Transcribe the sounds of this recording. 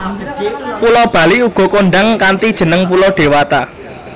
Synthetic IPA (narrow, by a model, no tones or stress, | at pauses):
pulɔb̥ä̤liuɡ̥ɔ̤koɳɖaŋkant̪id̥ʒ̥ə̤nəŋp̬ulɔɖ̥e̤wat̪a